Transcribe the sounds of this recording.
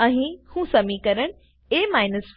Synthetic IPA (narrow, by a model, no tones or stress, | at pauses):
ɐ̃ĩhũsɐmikɐɾəɽ̃ | eːmaːɪnəsf